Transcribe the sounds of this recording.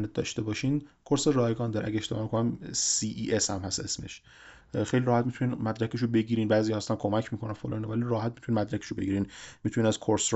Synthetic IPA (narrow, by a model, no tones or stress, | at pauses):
net̪̚d̪ɒ̰ːʃt̪e̞bɒːʃiːnkʰoɾserɒːjeɡɒːnd̪ɒɾḛæ̰ɟeeʃt̪emɒːmikʰonæmsiːʔiːʔeshæmhæsʔe̞̰sme̞̰ʃ | xejliɾɒːhæt̪mit̪ʰuninmæd̪ɾækeʃ̬obe̞ɟiːɾiːnbæːzijɒːhːæst̪æmkʰo̞mæcʰmiːkʰo̞nænfolɑ̰ninovæliɾɒːɦæt̪̚mit̪uninmæd̪ɾækʰe̥ʃobe̞ɟiːɾiːnmit̪ʰuninæz̥kʰoɾsɾ